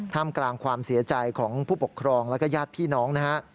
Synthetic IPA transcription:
t̪ʰaː˥˩mklaː˧ŋkʰwaː˧msi˩˦ɐt͡ɕa˧jkʰɔː˩˦ŋpʰuː˥˩po˨˩kʰːɾɔː˧ŋlɛ˦˥kɔː˥˩jaː˥˩t̪̚pʰiː˥˩nɔː˦˥ŋna˦˥ha˦˥ʔ

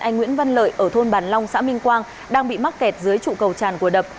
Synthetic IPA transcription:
ʔa˧jŋ̟ŋwḭ˧˥ənva˧nlə̰ː˧˨jʔəː˧˩t̪ʰo˧nɓaː˨˩nlɔ˧wŋ͡msa̰ː˧˥mï˧ŋ̟kwaː˧ŋ | ɗaː˧ŋɓḭ˧˨ma˦˥t̚kɛ˨˩t̚zɨ˨˦əjt͡ɕṵ˧˨kə˨˩wt͡ɕaː˧˩nku˧˩əɗə˨˩p̚

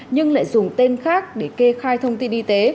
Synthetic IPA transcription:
ɲɨ˧ŋla̰ː˧˨jzʊ˨˩ŋ͡mt̪e˧nxaː˦˥k̚ɗe˧˩ke˧xaː˧jt̪ʰə˧wŋ͡mt̪i˧nʔi˧t̪e˨˦

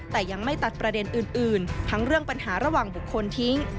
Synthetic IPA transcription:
t̪ɛː˨˩ja˧ŋma˥˩jt̪a˨˩t̪̚pɾa˧de˧nʔɯː˨˩nʔɯː˨˩nt̪ʰa˦˥ŋɾɯ˥˩əŋpa˧nhaː˩˦ɾa˧waː˨˩ŋbu˨˩kʰːo˧nt̪ʰi˦˥ŋ

